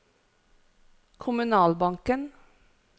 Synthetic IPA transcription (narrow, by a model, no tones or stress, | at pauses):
kʰʊmʉnɑːlbɑŋkən